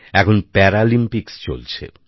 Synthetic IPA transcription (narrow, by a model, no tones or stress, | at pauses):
ɛkʰonpɛɾalimpikst͡ɕo̰lt͡ɕʰḛ